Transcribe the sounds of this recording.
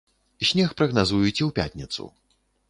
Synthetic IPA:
ɕʲnʲɛxpɾɐɣnazujut͡sʲɛwpʲa̰tʲnʲit̪sṵ

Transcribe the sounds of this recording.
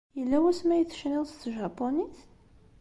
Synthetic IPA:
jəlːæwæsmæjəθʃniʁst̪ʒɑpːoniθ

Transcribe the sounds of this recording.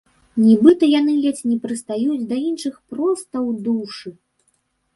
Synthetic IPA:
nʲibɨt̪ɐjanɨlʲɛt͡sʲnʲɛpɾɨst̪ajud͡zʲd̪ɐinʂɨxpɾɔst̪ɐwd̪uʂɨ

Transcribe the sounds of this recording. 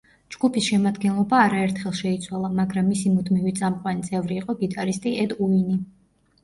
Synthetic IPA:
d͡ʒɡ̥upʰisʃɛmad̪ɡɛnlˠɔbaːɾaɛɾt̪ʰχɛlˠʃɛit̪sʰwalˠamaɡɾamːisimud̪mivit̪sʼamqʼwanit̪sʼɛvɾiːqʼɔɡit̪ʼaɾist̪ʼiɛd̪uini

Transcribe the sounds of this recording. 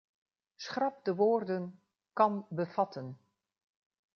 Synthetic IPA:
sχrɑp̚dəʋoːrdən | kɑnbəv̥ɑtən

